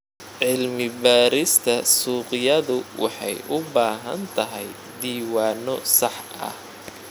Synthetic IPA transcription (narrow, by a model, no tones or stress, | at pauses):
ʕɪlmɪbaːɾɪst̪ʰɐsuːqɪjɐðʊwʔɑ̰ħɑ̰jʔʊbaːɦɐ̰nt̪ʰɐɦɛj | d̪iːwɑːnɔsɑħ | ɐ̰h